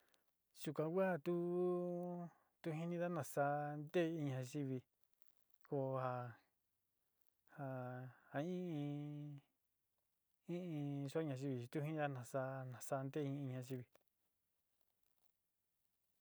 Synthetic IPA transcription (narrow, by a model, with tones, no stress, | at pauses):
su˧kã˧kʷa˦˧t̪u˦ | t̪u˦hi˦nĩ˧ða˦nã˨sa˧˦nd̪e˦˨˧ĩ˧ɲã˧ʃi˧βi˧ | ko˧ha˧ | ha˧˨ha˨ĩ˦ĩ˧ | ĩ˦ĩ˧ʃa˦˧ɲã˨ʃi˧βi˧˨i˧t̪u˦hi˦ĩ˧ða˦nã˨˧sa˧nã˨sa˧˦˧nd̪e˦˧ĩ˧ĩ˧ɲã˧ʃ̬i˧βi˨